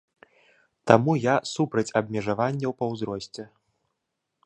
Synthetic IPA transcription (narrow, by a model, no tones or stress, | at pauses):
t̪amujasupɾɐt͡sʲɐbmʲɛʐavanʲːɐwpɐwzɾɔsʲt͡sʲɛ